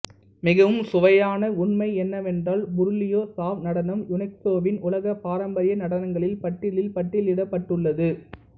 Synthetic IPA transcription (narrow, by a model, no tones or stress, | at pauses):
mɪɣɐʋɯmsʊʋɐjaːnɐʊɳmɐɪɛnːɐʋɛndraːlbʊɾɯlɪjoːsaːʋnɐɽɐnɯmjʊnɛk̚t̪oːʋɪnʔʊlɐɣɐpaːɾɐmbɐɾɪjɐnɐɽɐnɐŋɡɐɭɪlpɐʈːɪlɪlpɐʈːɪlɪɽɐpːɐʈːɯɭːɐðɯ